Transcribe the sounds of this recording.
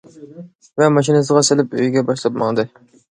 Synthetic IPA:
vɛmɑʃ̬inɨs̬ɨʁɑsɪlɪpøjɡʲɛbɑʃlˠɑp̚mɑ̰ŋd̪ɨ

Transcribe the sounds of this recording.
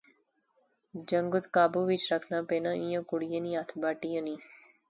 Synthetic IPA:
d͡ʒəŋɡʊt̪kaːbuːʋit͡ʃɾəkʰnaːpeːnãʔĩjõkʊɽijenĩat̪ʰbaːʈijõnĩː

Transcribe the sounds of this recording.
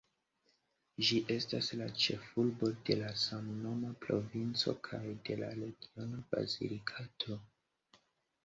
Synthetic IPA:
d͡ʒiʔe̞staslat͡ʃe̞fulbo̞de̞lasamno̞mapɾo̞̰vint͡so̞̰kʰajde̞la̰ɾe̞ɡio̞naba̰zḭlikʰatʰo̞

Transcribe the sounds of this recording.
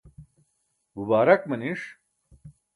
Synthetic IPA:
mubaːɾɐkmɐniʂ

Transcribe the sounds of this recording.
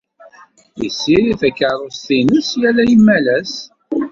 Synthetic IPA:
jə̰sːiɾiθækːəɾˤostinəsjælæjəmːælæs

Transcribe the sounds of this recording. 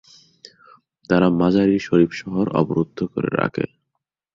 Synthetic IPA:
t̪aɾamad͡ʑaɾiʃoɾipʃɔɦoɾɔ̰boɾud̪ʱːokoɾḛɾa̰kʰḛ

